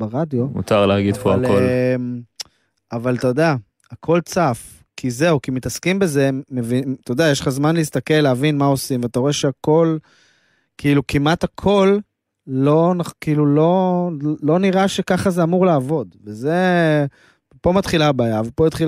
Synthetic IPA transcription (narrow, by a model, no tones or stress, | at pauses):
baʁadjo̞mṵt̪aʁleaɡid̪poalkolm | avalt̪od̪a | akʰo̞lt͡saf | kʰize̞ukimit̪askimbe̞ze̞mevit̪od̪ajeʃlχazmanleist̪ake̞lːeavinmao̞simveataʁo̞eʃeako̞l | kiilukimat̪akʰo̞lː | o̞nakiilulo̞lo̞niʁaʃe̞kaχazeamuʁlaːvo̞d̪veze̞ | po̞mat̪χilabaːjavalpoit̪χi